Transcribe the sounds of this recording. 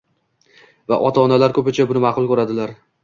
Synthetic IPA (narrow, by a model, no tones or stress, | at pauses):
vaʔɒt̪ʰaːnalaɾkʰɵpɪt͡ʃʰabʊnɪmɑqʰʊlˠkʲɵɾad̪ɪlaɾ